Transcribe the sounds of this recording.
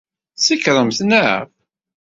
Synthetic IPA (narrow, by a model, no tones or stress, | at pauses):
sikɾˤəmθna